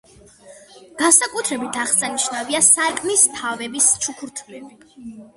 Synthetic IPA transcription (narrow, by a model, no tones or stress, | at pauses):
ɡ̥ansakʼut̪ʰɾɛbit̪ʰaχsaniʃnaviasaɾkʼnist̪ʰavɛbist͡ʃʰukʰuɾt̪ʰlɛbi̥